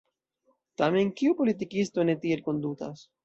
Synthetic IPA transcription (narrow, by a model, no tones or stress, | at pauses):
t̪ameŋkiupo̞lit̪̬ikist̪o̞ne̞t̪ielko̞nd̪ut̪a̰s